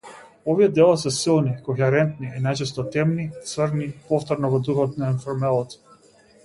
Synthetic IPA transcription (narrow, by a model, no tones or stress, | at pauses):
ɔviɛd̪ɛlˠasɛsilˠnikɔxɛɾɛnt̪niinajt͡ʃɛs̬t̪ɔt̪ɛmnit̪svəɾnipɔft̪ɔɾnɔvɔd̪uxɔt̪nainfɔɾmɛlˠɔt̪